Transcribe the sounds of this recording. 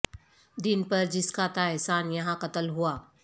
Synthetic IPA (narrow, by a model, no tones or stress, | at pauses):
d̪ɪnpɐɾd͡ʒɪskat̪aɛɦsaːnjɐɦãqɐt̪əlɦuaː